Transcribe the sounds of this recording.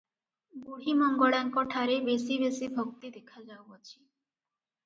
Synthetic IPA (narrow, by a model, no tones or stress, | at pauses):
buɽ̤imɔŋɡoɽaŋkɔʈʰaɾebesiβesibʱok̚t̪id̪ekʰad͡ʑawbat͡ɕʰi̥